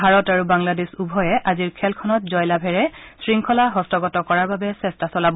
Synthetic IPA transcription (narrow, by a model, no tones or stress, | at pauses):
bʱaɹɔtaɹubaŋladesubʱɔjɛʔaziɹkʰɛlkʰɔnɔt̚zɔjlabʱɛɹɛsɹiŋkʰɔlaɦɔstɔɡɔtɔkɔɹaɹbabɛsɛstasɔlab